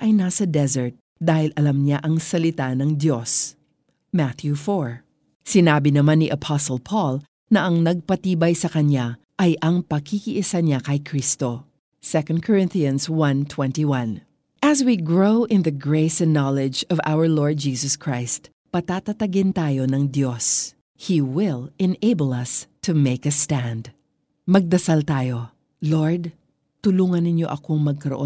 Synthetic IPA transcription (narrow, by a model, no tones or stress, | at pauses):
ʔɐjnɐsɐd̪ɛzɛɹt̪̚ | d̪aːhɪlɐlɐmɲaʔɐŋsɐlɪt̪anɐŋd̪jos | mat̪jufoɹ | sɪnaːbɪnɐmanːiʔɐpʰasolpʰɔl | nɐʔɐŋnɐɡ̚pɐt̪iːbɐjsɐkɐɲa | ʔɐjʔɐŋpɐkʰikiʔɪsaɲakɐjkɾist̪o̞ | sɛkɐ̃nd̪̚kʰɔɹɪ̃nθiɐ̃nswɐ̃nt̪ʰwɛ̃nt̪iwɐ̃n | ʔɐswiɡɹoʊʔɪ̃nðɐɡɹeɪsɛ̃nːɑlɛd͡ʒɔva̰wəɹloɹd̪̚d͡ʒiːsɔskɹajst̪ | pɐt̪at̪ɐt̪ɐɡɪnt̪aːjo̞nɐŋd̪jo̞s | hiwɪlɛneɪbəlɐst̪ʰumeɪkɐst̪æ̃nd̪ | mɐɡ̚d̪ɐsalt̪aːjo̞ | loɹd̪̚ | t̪ʊluːŋɐnːɪɲjo̞̰ʔɐkoŋmɐɡ̚kɐɾo̰ʔõ